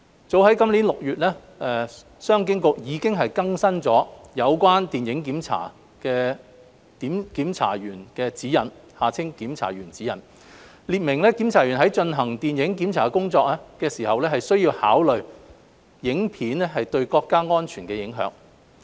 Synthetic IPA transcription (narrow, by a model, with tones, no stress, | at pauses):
t͡so˨˥wɦɐ˨˥jkɐ˥mli˨˥nlʊ˨k̚jyː˨t̚lɛː˥ | ɛ˨ | sœː˥ŋk̬ɪ˥ŋkʊ˨˧k̚jiː˨˧kɪ˥ŋɦɐ˨jkɐ˥ŋsɐ˥nt͡sɔː˨˥jɐ˨˧wkwaː˥nt̪iː˨njɪ˨˥ŋk̬iː˨˥mt͡sʰa̰ː˨˩ | kɛː˧ | t̪iː˨˥mkiː˨˥mt͡sʰa̰ː˨˩jyː˨˩nkɛː˧t͡siː˨˥jɐ̰˨˩nhaː˨t͡sʰɪ˥ŋkiː˨˥mt͡sʰa̰ː˨˩ɥyː˨˩nt͡siː˨˥jɐ̰˨˩n | liː˨˧t̚mɪ˨˩ŋlɛː˥kiː˨˥mt͡sʰaː˨˩ɥyː˨˩nɦɐ˨˥jt͡ʃɵ˧nɦɐ˨˩ŋt̪iː˨njɪ˨˥ŋkiː˨˥mt͡sʰaː˨˩kʊ˥ŋt͡sɔː˧k̚lɛː˥kɛː˧siː˨˩hɐ˨wlɛː˥ɦɐ˨jsɵ˥ɥjiː˧wha̰ː˨˥wlɵ˨ɥ | jɪ˨˥ŋpʰiː˨˥nɛ˥ɦɐ˨jt̪ɵ˧ɥkɔː˧kːaː˥ŋɔː˥nt͡ʃʰyː˨˩nkɛː˧jɪ˨˥ŋɦœ̰ː˨˥ŋ